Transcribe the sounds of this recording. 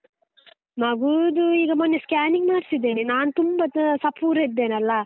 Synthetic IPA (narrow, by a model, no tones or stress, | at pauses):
mɐɡud̪uiːɡɐmɐnːeskaːniŋɡmaːɖsid̪ːeninaːnut̪umbɐsɐpʰuːɾed̪ːeːnɐlːɐ